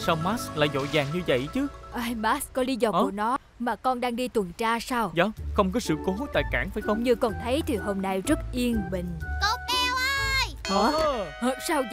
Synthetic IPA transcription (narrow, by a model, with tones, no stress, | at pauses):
sa˧wmaː˦˥sla̰ː˧˨jzo̰˧˨zaː˨˩ŋɲɨ˧və̰˧˨jt͡ɕɨ˨˦ʔaː˧jmaː˦˥skɔ˨˦li˨˦zɔ˧ʔku˧˩ənɔ˨˦ | maː˨˩kɔ˧nɗaː˧ŋɗi˧t̪wə˨˩ŋt͡ɕaː˧saː˧wzɔ˨˦xə˧wŋ͡mkɔ˨˦sɨ̰˧˨ko˨˦t̪a̰ː˧˨jkaː˧˩ŋfaː˧˩jxə˧wŋ͡mɲɨ˧kɔ˨˩nt̪ʰə˨˦jt̪ʰi˨˩ɦo˧mna˧jzə˦˥t̚ʔi˧ənɓḭ̈˧˨ŋ̟t̪ɔ˨˦kɛ˧wʔa˧jkɔ˨˦hsaː˧w